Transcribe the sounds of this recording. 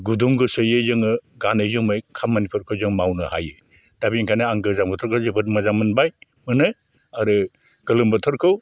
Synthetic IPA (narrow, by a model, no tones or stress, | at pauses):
ɡuduŋɡɯsɯjɯzɯŋɯɡanɯjzɯmɯjkʰamːanipʰuɾkʰɯwzɯŋmawnɯha̰jɯ | d̥abiŋkʰajnɯaŋɡɯzaŋmbɔtʰɔɾkʰɯwzebɯt̚mazamɯnbaj | mɯnɯ | aɾɯ | ɡ̥ɯlɯmbɯtʰɔɾkʰɯw